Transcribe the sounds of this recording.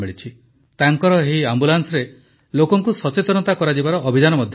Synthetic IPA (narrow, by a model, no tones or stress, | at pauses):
meɭit͡ʃʰi | t̪aŋkɔɾɔɦiambulansɔɾe | lokɔŋkusɔt͡ʃet̪ɔnɔt̪akɔɾad͡ʒibaɾɔʔːbʱid͡ʒanɔmɔd̪ʱj